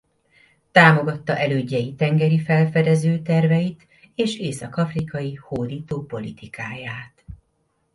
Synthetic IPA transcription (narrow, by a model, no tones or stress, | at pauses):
t̪aːmo̞ɡɒt̪ːɒʔɛløːɟːɛjit̪ɛŋɡɛɾifɛlfɛd̪ɛzøːt̪ɛrvɛjit̪ | eːʃeːsɒkɒfrikɒjihoːd̪iːt̪oːpo̞lit̪ikaːjaːt̪